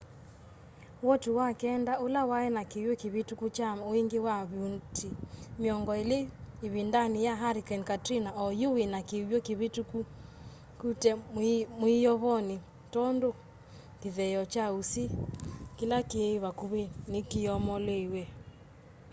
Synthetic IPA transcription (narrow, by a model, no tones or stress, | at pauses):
wɔtuwakɛndaolawaɛnakewjokeβetukut͡ʃaoeŋɡewaβjuntʰimeɔŋɡɔeleːβindanijaɦaɾikɛnkatɾinaɔjowenakejɔkeβetuku | kutɛmwijɔβɔne | tɔndo | keðɛjɔt͡ʃausikilakeβakuβenekiɔmɔlewɛ